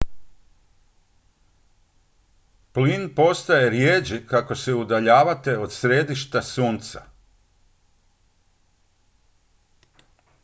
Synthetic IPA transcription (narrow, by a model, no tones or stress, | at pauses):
plinpo̞st̪aje̞ɾjeːd͡ʒikako̞se̞ud̪aʎaːʋat̪e̞o̞d̪sɾed̪iʃt̪asuːnt̪sa̰